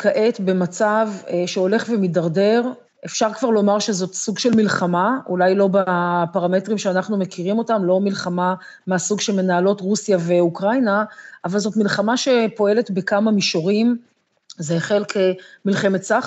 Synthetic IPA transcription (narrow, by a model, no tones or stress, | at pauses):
kʰaʔetbe̞mat͡savʃeo̞le̞χvemidaʁde̞ʁ | ʔe̞fʃaʁkvaʁlo̞maʁʃezo̞tsuɡʃe̞lmilχamaulajlo̞bapaʁame̞tʁimʃeanaχnumekiʁimo̞tamlo̞milχama | measuɡʃelme̞naːlo̞tʁusjave̞ukʁajnaːvalzo̞tmilχamaʃe̞po̞e̞le̞tbekamamiʃoʁim | zeːχe̞lkʰemilχe̞metsaχ